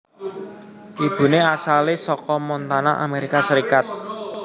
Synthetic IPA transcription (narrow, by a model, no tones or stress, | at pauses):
ʔib̥ṳneasalesɔkɔmɔnt̪anaʔa̰meɾikasəɾikat̪̚